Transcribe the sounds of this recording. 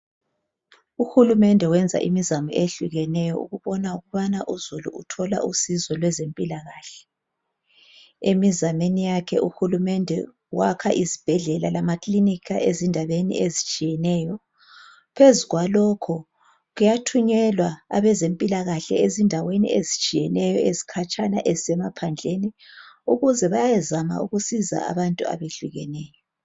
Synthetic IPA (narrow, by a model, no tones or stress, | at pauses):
uxulumɛndʱɛwɛnd͡zʱa̰ʔḭmizamṵʔeɬuɣɛnɛjɔ̰ʔṵɣuβɔnauɣuβanaʔuzulṵutʰɔla̰ʔusizɔlwɛzempʼilaɣaːɬɛ | emizamenijakʰɛʔuxulumɛndʱɛ̰ | wakʰaʔizib̥ʱɛɮɛlalamakʼlinikʰa̰ʔezindʱaβenḭezit͡ʃʼijɛnɛjɔ | pʰezuɣwalɔkʰɔ | ɣujatʰuɲɛlwaa̰βɛzempʼilaɣaɬɛ̰ezindʱawenḭezit͡ʃʼijɛnɛjɔezikʰat͡ʃʼana̰ʔezisɛmapʰand͡ɮʱeniuɣuzɛβajajɛzama̰uɣusiza̰a̰βantʼua̰βeɮuɣɛnɛːjɔ